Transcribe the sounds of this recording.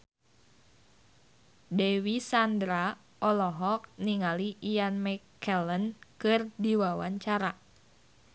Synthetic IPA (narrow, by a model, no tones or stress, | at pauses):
dewisandɾa | ɔlɔɦɔk̚niŋaliʔianmɛkɛlənkɨrdiwawaɲt͡ʃaɾa